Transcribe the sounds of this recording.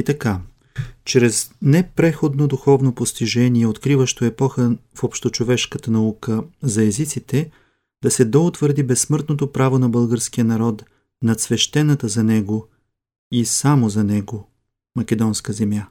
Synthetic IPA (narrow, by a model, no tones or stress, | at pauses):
it̪ɐka | t͡ʃɾɛznɛpɾɛxod̪nod̪uxɔvnopost̪iʒɛniɛot̪kɾivəʃt̪oɛpɔxəfopʃt̪ot͡ʃovɛʃkət̪ənɐukəzɐɛzit̪sit̪ɛ | d̪ɐsɛd̪oʊt̪vəɾd̪ibɛsːmɤɾt̪not̪opɾavonɐbɤlˠɡəɾskijənɐɾɔt̪ | nɐt̪svɛʃt̪ɛnət̪əzɐnɛɡo | isamozɐnɛɡo | mɐkʲɛd̪ɔnskəzɛmja